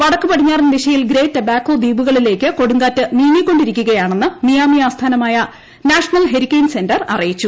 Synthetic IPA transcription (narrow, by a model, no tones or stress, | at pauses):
ʋɐɽɐkːɨpɐʈiɲːaːrenːɐd̪iʂɐjilɡɾe̞ːtːɐbaːkːo̞ːd̪iːbuɣɐɭile̞ːkːɨko̞ɽuŋɡaːtːɨniːnikʲːo̞ɳɖiɾikʲːuɣɐjaːɳe̞nːɨnijaːmijaːst̪ʰaːnɐmaːjɐ | naːʂɐnɐlɦe̞ɾikʲːejnse̞ndɐrɐ̰rijit͡ɕːu